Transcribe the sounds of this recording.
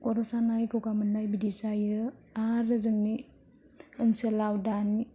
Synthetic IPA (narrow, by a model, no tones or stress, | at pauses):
kɔɾɔsanajkɯwɡamɯnːajbidisajɯaaɾɯzɯŋni | ənselawdani